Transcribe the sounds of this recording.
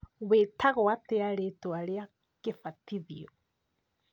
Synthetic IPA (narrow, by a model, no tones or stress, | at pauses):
wetʰaɣoateaɾetoaɾea | kefatiðiɔ